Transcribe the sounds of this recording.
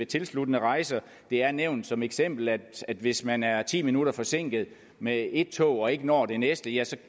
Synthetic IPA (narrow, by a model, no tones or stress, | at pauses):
et͡sʰe̝lslud̥ənəʁɑ̈ɪsɐ | d̥e̝æɐneʊ̰nd̥sɒ̽meɡ̥sem̰b̥l̩ædæd̥ʋe̝smænæɐt͡sʰḭːminuɾɐfɒ̽se̝ŋ̰ɡ̥ð̩ˠ | mee̝d̥̚t͡sʰɔ̰ːɒ̽e̝ɡ̥ənɒ̰ːd̥e̝nesd̥əjæsɒ̽